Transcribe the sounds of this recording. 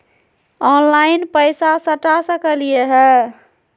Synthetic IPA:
ɔnlaɪnpəjsasəʈasəkəlijeɦɛ

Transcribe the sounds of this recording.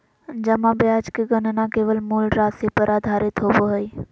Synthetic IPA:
d͡ʒəmãbjaːd͡ʒkeɡənənãkeːʋəlmuːlɾaːsepəɾʔaːd̪ʱaːɾɪt̪ʰoːboɦəi

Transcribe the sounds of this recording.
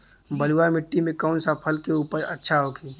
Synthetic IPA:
bəlwamɪʈːimẽkəʊnsapʰəlkeupəɾʔətːʃʰaɦokʰi

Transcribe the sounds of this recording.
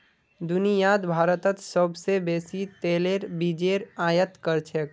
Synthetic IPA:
d̪ʊnijaːd̪bʱaːɾət̪ət̪səbsebeːsit̪eːleːɾbid͡ʒeːɾaːjət̪kəɾt͡ʃʰek

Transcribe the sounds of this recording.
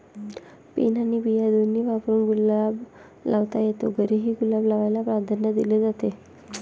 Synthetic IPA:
pḛnanibijad̪oniːʋapɾuːnɡulab | lʔaʋt̪ajet̪oɡəɾeɦiːɡulablaʋajlapɾad̪ʱanjəd̪iled͡zat̪e

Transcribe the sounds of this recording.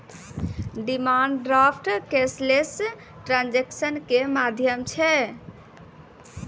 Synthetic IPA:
ɖimaɳɖɾapʰʈkesles | ʈɾand͡ʒeksənkemad̪ʱjəmt͡ʃʰɛ

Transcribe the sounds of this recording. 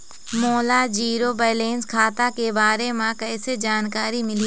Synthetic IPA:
mɔːlad͡ʒiːɾobɛːleːnzkʰaːt̪akebaːɾemãkɛːsed͡ʒaːnkaːɾimɪli

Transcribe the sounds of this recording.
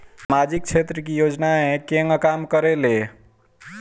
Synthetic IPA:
smad͡ʒik̚t͡ʃʰet̪ɾəkijod͡ʒnaekeŋkamkəɾele

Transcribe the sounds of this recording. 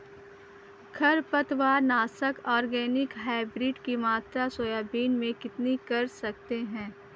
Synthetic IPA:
kʰɐɾpɐt̪ʋaːɾnaːsəkɔːɾɡɛːnɪkɦaːɪbɾɪːɖkimaːt̪ɾasoːjaːbiːnmẽkɪt̪nikɐɾsɐk̚t̪eɦɛ̃ː

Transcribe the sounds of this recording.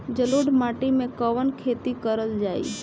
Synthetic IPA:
d͡ʒəloɖmaːʈimẽkəʋənkʰet̪ikəɾəld͡ʒaːḭː

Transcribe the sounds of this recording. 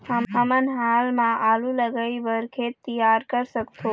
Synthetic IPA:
həmɦəmənɦalmãʔaluləɡəibəɾkʰet̪ijaɾkəɾsəkt̪ʰo

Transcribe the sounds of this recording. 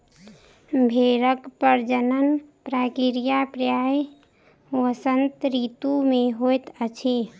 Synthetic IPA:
bʱeɾəkpəɾd͡ʒənənpɾakiɾijapɾəjaj | wəsənt̪ɾit̪umẽɦojt̪ət͡ʃʰe

